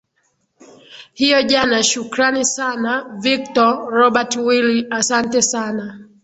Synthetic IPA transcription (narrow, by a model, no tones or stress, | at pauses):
hijɔʄanaʃukɾanisanavik̚tɔɾɔɓatwiliasantɛsana